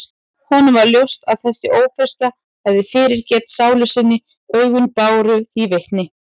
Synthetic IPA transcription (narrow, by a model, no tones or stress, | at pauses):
hɔnʏvaɾljowst̪aðθɛsːɪʔoːwfɛrst̪la | hɛvðɪfɪːɾɪɾcɛːt̪saːwlʏsɪnːɪ | œɥɣʏnpaːwɾʏθivejht̪nɪ